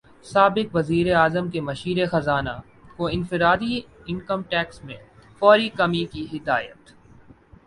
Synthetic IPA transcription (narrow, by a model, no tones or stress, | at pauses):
saːbɪkʋɐziːɾeaːzəmkemɐʃiːɾexɐzaːna̰ | koɪ̃nfɪɾaːd̪iɪ̃ŋkəmʈɛːksmẽfɔːɾikɐmikiɦɪd̪aːjə̰t̪